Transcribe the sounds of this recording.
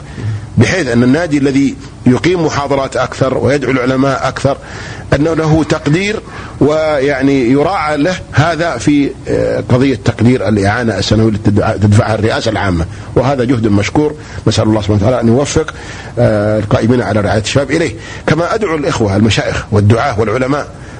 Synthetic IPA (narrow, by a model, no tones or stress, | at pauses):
bɪħeːθʔɪnːanːaːd̪ialːaði | jʊqiːmːʊħɑːðˤɑɾˤɑːt̪ʔakθɑɾˤwɪjad̪ʕulʕʊlamaːʔʔakθɑɾˤ | ʔanːalaɦʊt̪ɑqd̪iːɾ | wɪjaʕnijʊɾˤɑːʕalahhaːðafiqɑðˤɨjːat̪ːɑqd̪iːɾalʔɪʕaːnaʔasːanawijlt̪t̪ɪd̪faʕharːɪʔaːsalʕaːmːa | wɪɦaːðad͡ʒʊhd̪maʃkuːɾ | nasʔalɑlːɑːsb̥awt̪aʕaːlaʔanjʊwafːɪq | lqɑːʔɪmiːnaʕalaɾɪʕaːjat̪ʃːabaːbʔɪleːh | kamaʔad̪ʕulʔɪxwaʔalmaʃaːʔɪxwɪd̪ːʊʕaːʔwɪlʕʊlamaːʔ